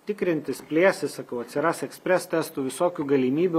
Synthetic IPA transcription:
t̪ʲɪkɾʲɪnʲt̪ʲɪspʲlʲeːsʲɪsɐkɐʊɐt̪ʲsʲɪɾɑːsɛksʲpʲɾʲɛst̪ʲɛst̪uːʋʲɪsoːkʲuːɡɐlʲiːmʲiːbʲu

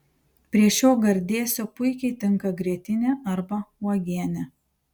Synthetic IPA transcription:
pʲɾʲiɛʃʲoːɡɐɾʲd̪ʲeːsʲoːpʊɪkʲɛɪt̪ʲɪŋˑkɐɡɾʲiɛt̪ʲɪnʲeʔɐɾbɐɔːɡʲiɛnʲɛ

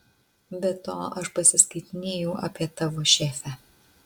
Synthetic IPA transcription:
bʲɛt̪oːʔɐʃpɐsʲɪskɐɪt̪ʲɪnʲeːjɛʊʔɐːpʲiɛt̪ɐʋoːʃʲeːfʲæ

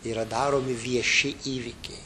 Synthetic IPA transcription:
iːɾɐd̪ɑːɾoːmʲɪʋʲiɛʃʲɪʔiːʋʲikʲɛɪ

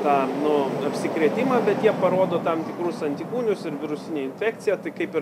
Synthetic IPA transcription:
t̪ɑːnʊɐpʲsʲɪkɾʲiɛt̪ʲɪmɑːbʲɛt̪jiɛpɐɾoːd̪oːt̪ɐmt̪ʲɪkɾʊsɐnʲt̪ʲikuːnʲʊsɪɾʋʲɪɾʊsʲɪnʲeːɪnʲfʲæːkt͡ssʲɪjɛt̪ɐɪkɐɪpɪɾ

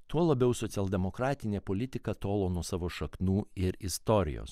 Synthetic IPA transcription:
t̪uɔlˠɐbʲɛʊsɔt̪sʲɛlˠd̪ʲɛmokɾɑːt̪ʲɪnʲeːpolʲɪt̪ʲɪkɐt̪oːlˠoːnuɔsɑːʋoːʃɐknuːɪɾɪst̪oːɾʲɪ̰jo̰ːs

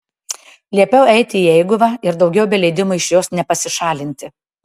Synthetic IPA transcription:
lʲiɛpʲɛʊɛɪt̪ʲɪiɛɪɡʊʋɐɪɾd̪ɒʊɡʲɛʊbʲɛlʲɛɪd̪ʲɪmʊɪʃjoːsnʲɛpɐsʲɪʃɑːlʲɪnʲt̪ʲɪ

